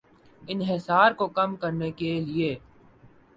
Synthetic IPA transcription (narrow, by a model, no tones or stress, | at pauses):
ɪnɦɪsaːɾkokɐmkɐɾnekelie